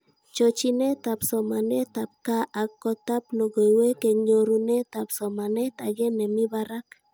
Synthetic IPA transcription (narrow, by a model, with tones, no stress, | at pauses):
t͡ʃo˨t͡ʃi˦nɛ˦t̪a˨psɔ˨ma˨nɛ˦t̪a˨p̚ka˦ʔa˨kːɔ˦t̪a˦pno˨ɡo˨iwe˦ke˨ɲo˨ɾu˨nɛ˦t̪a˨psɔ˨ma˨nɛ˦t̪a˨ɡɛ˦nɛ˨mi˦βaɾa˦k